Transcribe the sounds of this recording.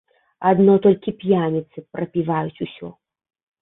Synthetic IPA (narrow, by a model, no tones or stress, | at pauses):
ad̪nɔt̪ɔlʲkʲipʲjanʲit̪sɨpɾɐpʲivajut͡sʲusʲɔ̰